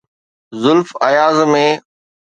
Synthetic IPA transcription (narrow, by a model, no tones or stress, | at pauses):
zʊlfɐjaːzmẽː